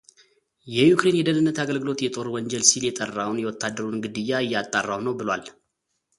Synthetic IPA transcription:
jɛjukɾe̞njɛd̪ənɨnːət̪aɡəlɡɨlo̞t̪jɛt̪ʼo̞ɾwɔɲd͡ʒɛlsiljɛt̪ʼərːawnjɛwɔt̪ʰːad̪ːəɾunɡɨd̪ɨjːaɨjːat̪ʼːarːawnəwbɨlwal

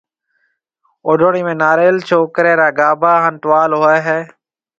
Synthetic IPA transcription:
oːɖoːɳiːmẽːnaːɾeːlt͡ʃʰoːkɾeːɾaːɡaːbaːɦənʈʋaːlɦoːeːɦɛː

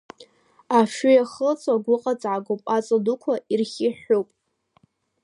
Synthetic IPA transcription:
aʃʏjaχət͡sʰʼaɡʷʊqʼat͡sʼʕaɡʷopʼat͡sʼadukʷʰairχʲɪħopʼ

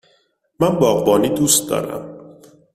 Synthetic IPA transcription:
mænbɒːɣbɒːniːd̪uːst̪̚d̪ɒ̰ːɾæ̰m

